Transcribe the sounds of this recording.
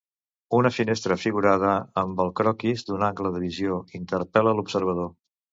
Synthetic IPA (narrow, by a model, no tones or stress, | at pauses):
unəfinest̪ɾəfiɣuɾað̞əəmbəlˠkɾɔkizd̪unaŋkləðəβizioint̪ərpɛləlupsəɾβ̞əðo